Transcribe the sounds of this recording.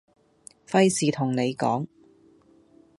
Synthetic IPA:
fɐ˥jsiː˨t̪ʰʊ˨˩ŋne˨˧jkɔː˨˥ŋ

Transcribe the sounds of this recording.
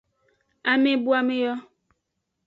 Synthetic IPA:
a˨mẽ˦bu˦a˨mẽ˦jɔ˦

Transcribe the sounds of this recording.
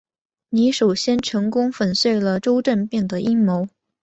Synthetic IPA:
ni˧˥ʂo˨˩ʊɕjɛ˥nʈ͡ʂʰɤ˧˥ŋkʊ˥ŋfə˨˩nswe˥˩ɪlə˩ʈ͡ʂo˥ʊʈ͡ʂə˥˧npjɛ˥˩ŋd̪ə˩ʔi˥ŋmo˧˥ʊ

